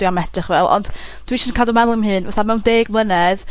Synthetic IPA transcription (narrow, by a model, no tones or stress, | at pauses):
wiamɛd̥rɪχvɛlˠɔ̰nd̥d̥wiʃnəkʰadɔmɛlˠɪmɦɨnvaθamɛwndeːɡmlˠənɛð